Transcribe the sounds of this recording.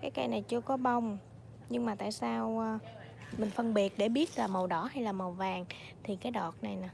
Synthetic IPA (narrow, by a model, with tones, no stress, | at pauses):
kaː˨˦jka̰˧jna˨˩jt͡ɕɨ˧əkɔ˨˦ɓə˧wŋ͡m | ɲɨ˧ŋmaː˨˩t̪a̰ː˧˨jsaː˧wː | mï˨˩ŋ̟fə˧nɓi˨˩ət̚ɗe˧˩ɓi˦˥ət̚laː˨˩mə˨˩wɗɔ˧˩˦ha˧jlaː˨˩mə˨˩wvaː˨˩ŋ | t̪ʰi˨˩kaː˨˦jɗɔ˨˩t̚na˨˩jna˨˦